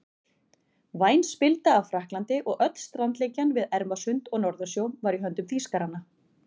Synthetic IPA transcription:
vaːjnspɪlt̪aːvfɾahklant̪ɪʔɔɣœt̪lst̪ɾant̪leːjcːanvɪðɛɾmasʏnt̪ɔɣnɔɾðʏsjowvaɾiɦœnt̪ʏmθiskaɾanːa

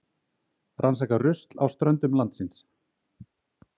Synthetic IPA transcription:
rʔansakarʏst̪lawst̪ɾœnt̪ʏmlant̪sɪns

